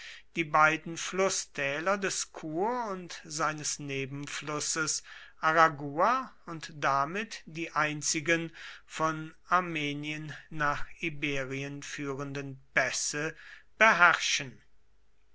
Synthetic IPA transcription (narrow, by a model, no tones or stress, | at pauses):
d̥iːbaɪdn̩flʊstʰɛːlɐdɛskʰuːʊntz̥aɪnəsneːbm̩flʊsəsʔaʁaɡuːa | ʊntd̥amɪtd̥iːʔaɪnt͡sɪɡənfɔn | aɐmeːniənːaːχibeːʁiənfyːʁəndənpɛsəb̥əɦæʁʃən